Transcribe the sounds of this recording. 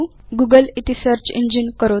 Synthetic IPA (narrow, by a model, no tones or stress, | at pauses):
ɡuɡəlit̪isəɾt͡ɕḭɲd͡ʑinkəɾo